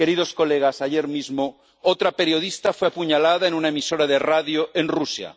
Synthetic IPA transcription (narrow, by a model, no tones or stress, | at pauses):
ke̞ɾiðo̞sko̞leɣ̞asaʝe̞ɾmizmo | ot̪ɾape̞ɾjo̞ðist̪afweapuɲalaðaenunaemiso̞ɾaðe̞raðjoe̞nrusja̰